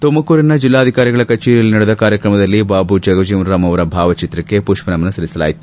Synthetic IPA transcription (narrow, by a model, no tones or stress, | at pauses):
t̪omɐkuːɾinɐd͡ʒilːaːd̪ʱikaːɾjiɡɐɭɐkɐt͡ʃeːɾijɐlːinɐɽud̪ɐkaːɾjɐkɾɐmɐd̪ɐlːibaːbud͡ʒɐɡɐʋd͡ʒiːmɾɾaːmɐʋɐɾɐbʱaːʋɐt͡ʃit̪ɾɐkːe̞puʂpɐnɐmɐnɐsɐlisɐla̰ːjit̪ːu̥